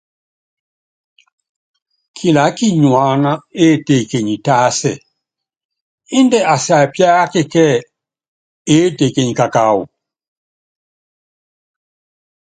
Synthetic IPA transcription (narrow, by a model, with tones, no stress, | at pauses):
kʰi˨la˨˦ki˦ɲwaː˦na˦e˦˨te˨ke˨ɲi˨ta˦sɛ̰˨ | i˦ndɛ˦a˨sa˨pja˦ke˦˨kɛ˦ | e˦te˨ke˨ɲi˨ka˨ka˨ṵ˨